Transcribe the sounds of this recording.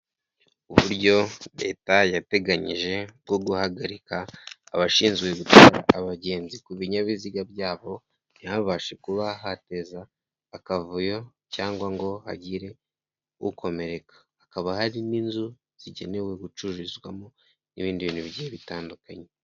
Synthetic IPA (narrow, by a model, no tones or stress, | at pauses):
uβuɾɟo̞ɾe̞̰ːtajate̞ɡaɲiʒe̞b̚ɡo̞ɡuhaɡaɾika̰ːβaʃiːnzɡwe̞ɡutaɾa̰ːβaɟe̞ːnzikuβiɲaβiziɡabjaːβo̞ | nihaβaːʃe̞kuβaɦate̞zaː | kavujo̞ | caːŋɡwaŋɡo̞ha̰ɟiɾe̞ | uukʰo̞me̞ɾe̞kḁːkaβahaɾininzu | z̥iɟe̞ne̞we̞ɡut͡ʃuʒizɡwamo | niβiːndiβiːnuβiɟieβitaːndukaɲe̞